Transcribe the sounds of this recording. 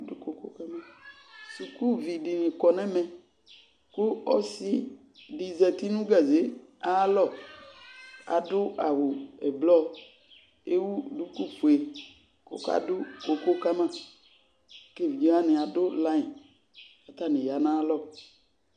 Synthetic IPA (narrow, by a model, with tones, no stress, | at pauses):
du˦ko˨ko̰˦ka˦mã˦˨ | su˨ku˦vi˨ɖi˨nĩ˨kɔ˨nɛ̃˦mɛ̃˨ | ku˦ɔ˦si˦ | ɖi˨zɛ˨t̪i˦nũ˦ɡa˨ze˨˦a˦lɔ˦˨ | a̰˨dʊ˦ʔa˨wo˨ɛ˨blɔ˦ | e˦wu˦du˦ku˦fu˨e˨ | ko̰˨ka̰˦dʊ˦ko˨ko˦ka˦mã˦˨ | ke˦˨vi˨d͡ʒo˦a˦nɪ̃˨a˨dʊ˦la˦ɲĩ˨ | a˨t̪a˦˨nɪ̃˨ja˨nã˦lɔ˦˨